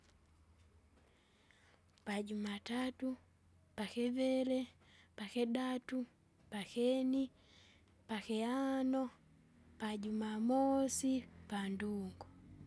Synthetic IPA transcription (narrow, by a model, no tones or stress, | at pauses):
paɟumatatu | pakɛvɛlɛ | pakɛdatu | pakɛni | pakɛanɔ | paɟumamɔsipanduŋɡu